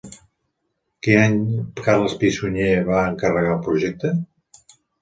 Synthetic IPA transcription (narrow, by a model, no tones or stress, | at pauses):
kinaɲkaɾləspisuɲeβaəŋkərəɣalˠpɾuʒɛk̚t̪ə